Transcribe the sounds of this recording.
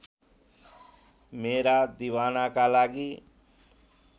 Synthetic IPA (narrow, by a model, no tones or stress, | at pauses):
meɾad̪iwanakalaɡi